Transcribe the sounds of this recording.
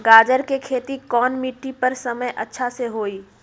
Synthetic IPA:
ɡaːd͡ʒəɾkekʰeːt̪ikɔːnmiʈːipɐɾsɐməjʔɐtːʃʰaseɦoːiː

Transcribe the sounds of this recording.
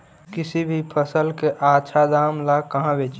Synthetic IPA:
kɪsibʱipʰəsəlkeʔaːt͡ʃʰad̪aːmlakəɦãbʱet͡ʃ

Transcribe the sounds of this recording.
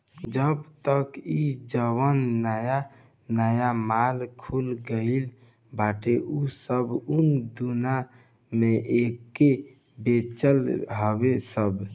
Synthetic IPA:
d͡ʒəbt̪əkid͡ʒəwənːəja | nəjamalkʰulɡəɪl | bʱaʈeʔusəbund̪una | meʔeke | bet͡ʃəlɦəbesəb

